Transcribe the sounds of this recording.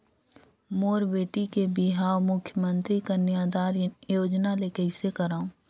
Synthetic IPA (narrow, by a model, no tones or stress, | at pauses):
moːɾbeːʈikebɪɦaːwmʊkʰjəmə̃nt̪ɾikanaːd̪aːɾjoːd͡ʒnalekɐɪsekəɾaːũː